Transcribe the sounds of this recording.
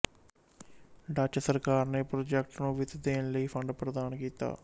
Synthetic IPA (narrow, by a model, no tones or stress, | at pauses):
ɖaːt͡ʃsəɾkaːɾneːpɾoːd͡ʒɛk̚ʈnũːʋɪt̪d̪eːnləiːpʰə̃ɳɖpɾəd̪aːnkiːt̪a̰ː